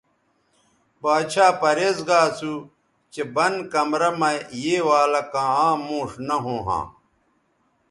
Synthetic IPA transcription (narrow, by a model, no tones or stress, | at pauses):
baːɕʰaːpɐɾeːzɡaːsu | t͡ɕebɐnkɐmɾɐmɐjeːwaːlɐkãːãːmõːʂnɐɦõːɦã̰ː